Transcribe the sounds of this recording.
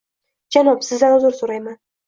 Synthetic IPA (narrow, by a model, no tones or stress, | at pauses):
d͡ʒanɒpsɪzd̪anʊzʊɾsoɾajman